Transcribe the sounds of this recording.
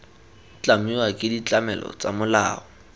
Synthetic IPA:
t͡ɬʼamiwakʼɪdit͡ɬamɛlɔ̰t͡sʼamʊlaːɔ

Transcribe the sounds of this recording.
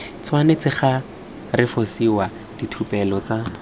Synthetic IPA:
t͡sʰwanet͡sɪχa | rɪfosiwa | d̥itʰupɛlɔt͡sa

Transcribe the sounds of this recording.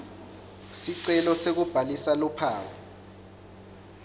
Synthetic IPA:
siǀɛlɔsek̬ub̥ʱalisalupʰaːwɔ

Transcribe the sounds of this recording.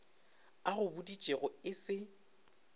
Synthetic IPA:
aɣʊbʊdi̥t͡ʃʼeɣʊɪsɪ

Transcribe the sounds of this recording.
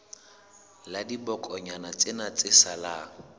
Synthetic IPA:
ladibɔkʼɔɲanat͡sʼɪnat͡sʼɪsala

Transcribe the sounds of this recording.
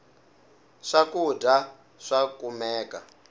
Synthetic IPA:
ʂakuda | ʂakumɛːka

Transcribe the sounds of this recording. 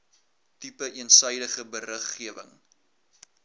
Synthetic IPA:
tipəʔiənsœjdəχəbərəχːiəvə̰ŋ

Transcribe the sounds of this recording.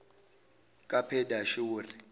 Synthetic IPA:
kʼapʰɛdaʃiuːri

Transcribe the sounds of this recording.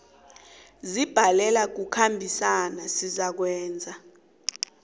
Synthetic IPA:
zib̥ʱalɛlak̬ukʰambʱisanasizak̬wɛːnd͡zʱa

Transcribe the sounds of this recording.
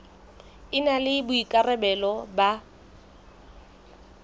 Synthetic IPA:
ɪnalɪbʊikʼarɛbɛlɔba

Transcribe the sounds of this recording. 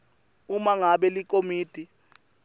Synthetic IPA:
umaŋaɓɛlik̬ʼomiːd̥ʱʼi

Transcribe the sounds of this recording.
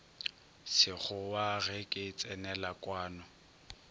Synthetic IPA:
sɪk͡xʊwaɣɛkʼɪt͡sʼɛnɛlakʼwaːnɔ

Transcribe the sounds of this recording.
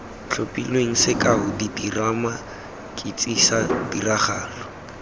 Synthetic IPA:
ɬʰopʼilweŋ̩sɪkaɦʊdidirama | kʼɪt͡sʼisadiraχaːlɔ

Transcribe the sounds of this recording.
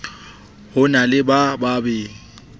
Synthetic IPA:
hʊnalɪbababeːŋ̩

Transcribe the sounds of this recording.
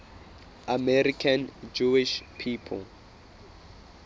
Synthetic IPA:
amɛrikʰand͡ʒuiʃpʰiːpʰɔ̰l

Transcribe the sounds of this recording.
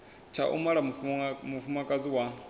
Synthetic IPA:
t͡ʃʰa̰ʔṵmaɺamufumakʼad͡ziwa

